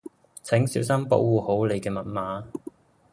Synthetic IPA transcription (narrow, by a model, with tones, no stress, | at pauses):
t͡sʰɛ˨˥ŋsiː˨˥wsɐ˥mpo̰˨˧˥wuː˨ho˨˥wle˨˧jkɛː˧mɐ˨t̚maː˨˥